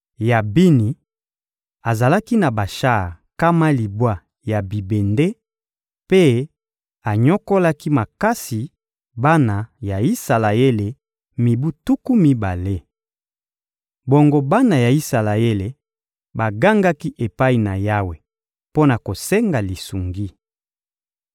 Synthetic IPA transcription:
ja˨bi˦ni˨ | a˨za˨la˦ki˦na˨ba˨ʃa˦˨ | ka˦ma˦li˨bwa˦ | ja˨bi˨be˨nde˦ | pe˦ | a˨ɲɔ˦ko˦la˦ki˦ma˨ka˦si˨ | ba˦na˨ja˨i˦sa˨la˨e˦le˨ | mi˨bu˦tu˦ku˦mi˦ba˨le˦ | bo˨ŋɡo˦ba˦na˨ja˨i˦sa˨la˨e˦le˨ | ba˨ɡa˦ŋɡa˦ki˦ʔe˨pa˦i˨na˨ja˦we˨ | po˦na˨ko˨se˦ŋɡa˨li˨su˨ŋɡi˦

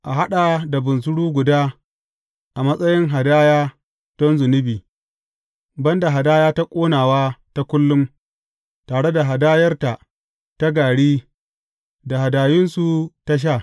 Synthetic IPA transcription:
ʔa˨ɦa˦ɗa˨da˨bʊ˨ns̬ʊ˦ɽuː˦ɡʷʊ˨daː˦ | ʔa˨mɐ˦sʼɐ˦jɪ˦ŋɦa˨daː˦jaː˦ | tɔ˦nzʊ˨nɪ˦biː˨ | bɐ˦nda˨ɦa˨daː˦jaː˦ta˦kʷʼoː˦naː˨waː˦ta˦kʷʊ˦lːʊ˦m | taː˨ɽe˦da˨ɦa˨daː˦jɐ˦rta˨ | ta˦ɡaː˨ɽiː˦ | da˨ɦa˨daː˨jɪ˦nsu˨ta˦ʃ̬aː˦˨

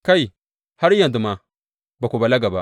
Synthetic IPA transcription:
ka˦i˨ | ha˦ɾja˨ndu˨ma˨ | ba˨ku˨ba˨la˦ɡa˨ba˨

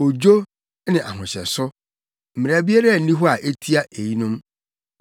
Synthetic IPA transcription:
o˨d͡ʑo˦ | nɪ̃˨ʔa˨ɦʊ̃˨ɕɛ̰˨sʊ˦ | m̩˨mɪ̃˨a˨bi˦a˦ɾa˦˨n̩˦nĩ˦ɦɔ˦a˨ʔe˦tʰi˦a˦ʔe˨ji˦nʊ̃˦m

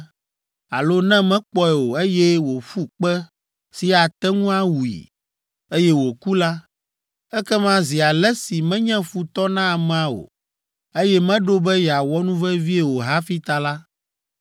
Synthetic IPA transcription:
a̰˨lo˦nɛ̃˦mɛ̃˦k͡pɔ˦ɛ˨wo˨e˦jɛ˦wo˨fu˦k͡pɛ˦ | si˨a˨t̪ɛ˦ŋũ˦a˦wu˨ḭ˨ | e˦jɛ˦wo˨ku˦la˦ | ɛ˦kɛ˦mã˦zi˨a˨lɛ˦si˨mɛ̃˦ɲɛ̃˦fu˨t̪ɔ˦nã˦˨m˦ã˨o̰˨ | e˦jɛ˦mɛ̃˦ɖo˦bɛ˦jɛ˨a˨wɔ˦nũ˦vɛ˦vi˦e˦˨wo˨ɦa˦fi˦t̪a˨la˦

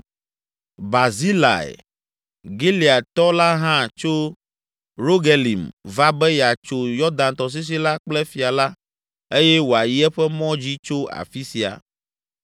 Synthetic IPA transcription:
ba˨zi˦la̰˨ɛ̰˨ | ɡi˦li˨a˨t̪ɔ˦la˦ɦã˦t͡ʃo˦ | ɾo˦ɡe˨lḭ˨mva˦bɛ˦jɛ˨a˨t͡ʃo˨jɔ˦d̪ã˨nt̪ɔ˨s̬i˦s̬i˦la˦k͡plɛ˦fi˨a˨la˦ | e˦jɛ˦wo˨a˨ji˦ɛ˦ɸɛ˦mɔ̃˦d͡ʑi˦t͡ʃo˦a̰˨fi˦si˨a̰˨

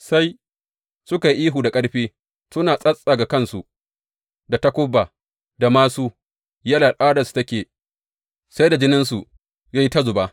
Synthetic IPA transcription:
sa˦j | sʊ˦ka˨ji˦ʔiː˦ɦuː˨da˨kʼɐ˦ɽɸiː˦ | sʊ˦naː˨sʼɐ˦sʼa˨ɡa˨kɐ˦˨nsu˨ | da˨tɐ˦kʷʊ˦bːaː˨ | da˨maː˦suː˦ | jɐ˦la˨ʔaː˦dɐ˨stɐ˦kʲeː˨ | sa˦jda˨d͡ʒɪ˦nɪ˦nsu˨ | ja˦ji˦ta˦zʊ˨ba˦

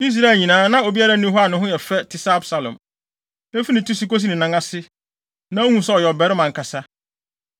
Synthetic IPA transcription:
i˦s̬ɾa˦ɛ˨lɲĩ˨nãː˨˦nã˦o˨bi˦a˦ɾa˦nũ˦ɦɔ˦a˨nʊ̃˦ɦʊ̃˦jɛ˨fɛ˦tʰɪ˨sa˦a˦bsa˨lɔ̰̃˨m | e˦fi˦nɪ̃˨tʰu˦si˨˦ko˦s̬i˦nɪ̃˨nã˨˦ŋa˦sɪ˦ | nã˨˦o˦hũ˦sɛ˦ɔ˨jɛ˨bɛ˨˦ɾɪ˦mã˨ŋ˨kʰa˨sa˦

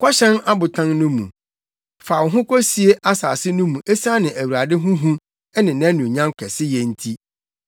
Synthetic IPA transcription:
kʰʷɔ˦ɕɛ̃˦na˦bʊ˨tʰã˦nnʊ̃˦mṵ̃˨ | fa˨wʊ˨ɦʊ̃˦kʷʰɔ˦si˨˦e˦ʔa˦saː˨sɪ˦nʊ̃˦mũ˨ʔe˦sa˦nɪ̃˨ʔæ˨wu˨ɾa˨dɪ˦ɦʊ̃˦ɦũ˦ | ɛ˦nɪ̃˨nã˦nũ˨ɲã˦ŋkʰɛ˨sɪ˦jɛ˨n̩˦tʰi˦

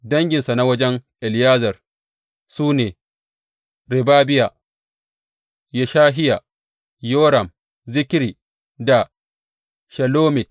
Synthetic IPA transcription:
dɐ˦ŋɡʲɪ˨nsa˨na˦wɐ˦d͡ʒɛ˦ŋʔɛ˨ljaː˦zɐ˨r | suː˦neː˨ | ɾɪ˨baː˦bɪ˦ja˨ | jɛ˨ʃaː˦ɦɪ˦ja˨ | joː˦ɾɐ˨m | zɪ˦kʲɾiː˨ | da˨ | ʃɐ˨loː˦mɪ˨t

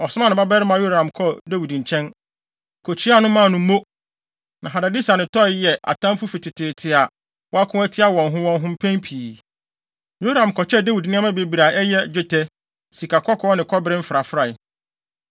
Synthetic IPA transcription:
ɔ˨sʊ˦ã˦nɪ̃˨ba˦bɛ˦ɾɪ˦mã˨jo˦a˨ã˨mkʰɔ˦da˦wi˨dɲ̩˨t͡ɕʰɛ̃˦n | kʰo˨t͡ɕʰi˦a˦˨nʊ̃˦mã˦˨nʊ̃˦mo˦ | nã˨ɦa˨da˨di˦sa˨nɪ̃˨tʰɔ˦˨˦jɛ˨ʔa̰˨tʰã˦m˦fʊ˦fi˨tʰɪ˨tʰɪ˨tʰɪ˨a˨ | wɔ˦a˦kʰʊ̃˦æ˦tʰɪ˦a˦wɔ̃˨nɦʊ̃˦wɔ̃˦nɦʊ̃˦m̩˦pʰɛ̃˦mpʰiː˨ | jo˦a˦˨ã˨mkʰɔ˨t͡ɕʰɛ˦da˦wi˨dnɪ̃˦ã˦mã˦be˨bi˨ɾa˨ʔɛ˦jɛ˦d͡ʑᶣɪ˦tʰɛ˦ | si˨kʰa˨kʰɔ˦kʰɔ˦nɪ̃˨kʰɔ˦bɪ˦ɾɪ̃˦m̩˦fɾa˨fɾa˨

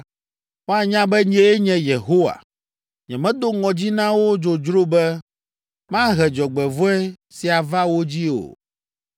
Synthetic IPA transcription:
wo˦a˨ɲã˦bɛ˦ɲɛ˨e˦ɲɛ̃˨je˨ɦo˦wa̰˨ | ɲɛ̃˨mɛ̃˦d̪o˦ŋɔ̃˨d͡ʑi˦nã˦wo˦d͡ʒo˨d͡ʒɾo˦bɛ˦ | mã˦ɦɛ˨d͡ʒɔ˨ɡ͡bɛ˨vɔ˦ɛ˦ | si˨a˨va˦wo˦d͡ʑi˦o̰˨

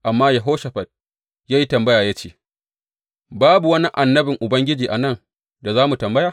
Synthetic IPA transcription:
ʔa˨mːaː˦ja˨ɦoː˦ʃɐ˨ɸɐ˨t̚ | jaː˦ji˦tɐ˨mbɐ˦jaː˨jaː˦t͡ʃḛː˦˨ | baː˦bu˨wɐ˦ni˦ʔa˨nːɐ˦bɪ˨ŋʔʊ˨bɐ˦ŋɡʲɪ˦d͡ʒiː˨ʔa˨nɐ˦ŋ | da˨zaː˦mu˨tɐ˨mbɐ˦jaː˨

